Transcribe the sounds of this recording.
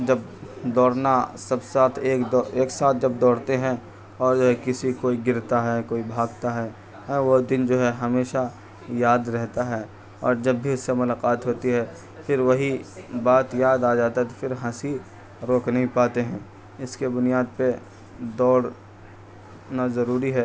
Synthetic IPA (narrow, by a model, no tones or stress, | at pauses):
d͡ʒɐb | d̪ɔːɽnasɐbsaːt̪ʰeːkd̪ɔeːksaːt̪̚ʰd͡ʒɐb̚d̪ɔːɽt̪eɦɛ̃ | ɔːɾd͡ʒoːɦɛkɪsikoːiɡɪɾt̪aɦɛkoːibʱaːɡt̪aɦɛː | ɦɛ̃ʋod̪ɪnd͡ʒoːɦɛɦɐmeːʃa | jaːd̪ɾɛɦt̪aɦɛː | ɔ̰ːɾd͡ʒɐbːʱiʊsːemʊlaːqaːt̪ɦoːt̪iɦɛ | fɪɾʋɐɦibaːt̪jaːd̪aːd͡ʒaːt̪aɦɛt̪ofɪɾɦɐ̃si | ɾoːknɐɦĩpaːt̪eɦɛ̃ː | ɪskebʊnijaːd̪̚pe | d̪ɔːɽ | nazɐɾuːɾiɦɛː